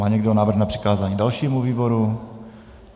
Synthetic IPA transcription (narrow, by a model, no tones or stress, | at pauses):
aːɲɛɡdoonaːvr̩xnapr̥ɪ̥kaːzaːɲiːdalʃiːmuviːboɾu